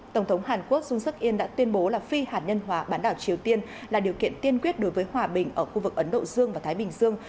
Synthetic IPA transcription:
t̪ə˧˩wŋ͡mt̪ʰə˨˦wŋ͡mɦaː˨˩nku˦˥ək̚zʊ˧ŋ͡msɨ˦˥k̚ʔi˧ənɗa̰ː˧˥t̪wi˧ənɓo˨˦laː˨˩fi˧haː˨˩t̚ɲə˧nɦwaː˨˦ɓaː˨˦nɗaː˧˩wt͡ɕi˨˩əwt̪i˧ənlaː˨˩ɗi˨˩əwkḭ˧˨ənt̪i˧ənkwi˦˥ət̚ɗo˨˦jvəː˨˦jhwaː˨˩ɓï˨˩ŋ̟ʔəː˧˩xu˧vɨ˨˩k̚ʔə˨˦nɗo̰˧˨zɨ˧əŋvaː˨˩t̪ʰːjɓï˨˩ŋ̟zɨ˧əŋ

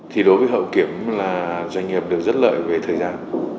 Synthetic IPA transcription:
t̪ʰi˨˩ɗo˨˦jvəː˨˦jɦə̰˧˨wki˧˩əmlaː˨˩zwa˧jŋ̟ŋi˨˩əp̚ɗɨ˨˩ək̚zə˦˥t̚lə̰ː˧˨jve˨˩t̪ʰəː˨˩jzaː˧n

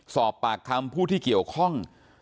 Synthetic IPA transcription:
sɔː˨˩pːa˨˩k̚ʰːa˧mpʰuː˥˩t̪ʰiː˥˩ki˨˩əwkʰɔ˥˩ŋ

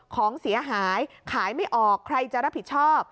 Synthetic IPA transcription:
kʰɔː˩˦ŋsi˩˦ɐɦaː˩˦jkʰaː˩˦jma˥˩jʔɔː˨˩kʰːɾa˧jt͡ɕa˨˩ʔɾa˦˥pʰːi˨˩t̪̚t͡ɕʰɔː˥˩p̚

